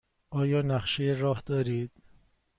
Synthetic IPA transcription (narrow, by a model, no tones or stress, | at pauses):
ɒːjɒːnæχʃejeɾɒːhd̪ɒːɾiːd̪̥̚